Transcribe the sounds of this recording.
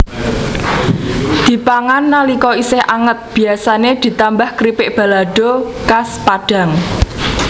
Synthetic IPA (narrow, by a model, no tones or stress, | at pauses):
d̪̥i̤paŋanːalikɔisɪhʔaŋət̪̚b̥i̤asaned̪̥i̤t̪ambahkɾipɪʔb̥a̤laɖ̥o̤kaspaɖ̥a̤ŋ